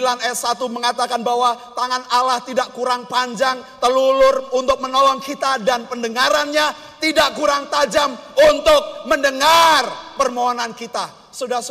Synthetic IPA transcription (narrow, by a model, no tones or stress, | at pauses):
lanɛsat̪uməŋat̪akanbawat̪aŋanalaht̪idaʔkuɾaŋpaɲd͡ʒaŋt̪əlulʊrunt̪ʊk̚mənolɔŋkit̪adanpəndəŋaɾanɲa | t̪idaʔkuɾaŋt̪ad͡ʒamunt̪ʊk̚məndəŋarpərmoɦɔnankit̪a | sudas